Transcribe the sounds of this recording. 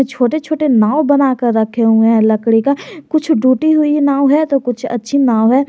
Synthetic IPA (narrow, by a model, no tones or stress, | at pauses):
t͡ʃʰoːʈet͡ʃʰoːʈenaːwbɐnaːkəɾːɐkʰeɦũɛ̃lɐkɽikakʊt͡ʃʰɖuːʈiɦʊinaːwɦɛt̪okʊt͡ʃʰɐ̰tːʃʰinaːɦɛː